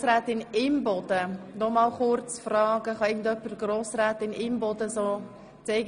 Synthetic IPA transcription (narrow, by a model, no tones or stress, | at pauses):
sræːtɪnɪmbɔdənɔmɑlχʊrt͡sfrɑːɡəχɑɪɡən̩tœpərɡroːsræːtɪnɪmbɔdəsoː | t͡seɪɡ